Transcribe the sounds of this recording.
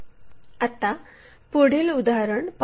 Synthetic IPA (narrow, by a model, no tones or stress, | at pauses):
at̪a | poɽ̤iːlud̪aɾəɳp